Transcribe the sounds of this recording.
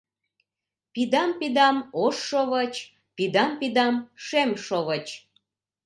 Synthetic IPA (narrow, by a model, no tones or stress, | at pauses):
pid̪ɑmpid̪ɑmoʃːoβət͡ɕ | pid̪ɑmpid̪ɑmʃemʃoβət͡ɕ